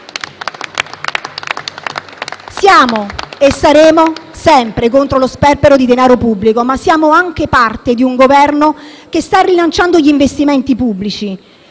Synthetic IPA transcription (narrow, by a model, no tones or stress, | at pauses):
sjaːmoesːaɾeːmosɛmpɾekont̪ɾolospɛrpeɾod̪id̪enaːɾopubːlikomasːjaːmoaŋk̟epart̪ed̪iuŋɡovɛrno | k̟est̪arːilant͡ʃand̪oʎiːɱvest̪imɛnt̪ipubːlit͡ʃi